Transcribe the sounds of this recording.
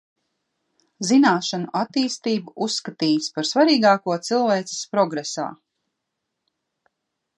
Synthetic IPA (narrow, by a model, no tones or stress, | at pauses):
zinaːʃanuʔat̪ːiːst̪iːbuusːkat̪iːspaɾsvaɾiːɡaːkuɔt̪silˠveːt̪sɪ̥spɾɔɡɾesa̰ː